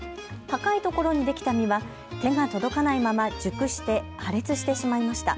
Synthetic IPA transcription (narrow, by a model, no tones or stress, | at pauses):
hakait̪o̞ko̞ɾo̞ɲ̟id̪e̞kʲi̥t̪amʲiβa | t̪e̞ŋat̪o̞d̪o̞kanaimamad͡ʑɨkɯ̟ɕi̥t̪e̞haɾe̞t͡sɨɕi̥t̪e̞ɕimaimaɕi̥t̪a̰